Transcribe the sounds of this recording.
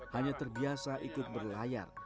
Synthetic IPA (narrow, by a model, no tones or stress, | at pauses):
haɲat̪ərbiasaʔikʊt̪̚bərlaja̰r